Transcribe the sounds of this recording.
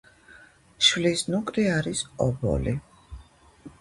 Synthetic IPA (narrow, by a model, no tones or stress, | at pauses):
ʃvlisnukʼɾiaɾisɔbɔ̰li